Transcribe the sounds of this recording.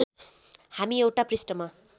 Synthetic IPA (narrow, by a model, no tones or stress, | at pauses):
hamiewʈaprisʈʌma